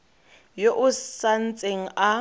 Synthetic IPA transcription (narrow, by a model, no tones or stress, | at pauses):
joʔʊsan̩t͡sʼeŋ̩ʔa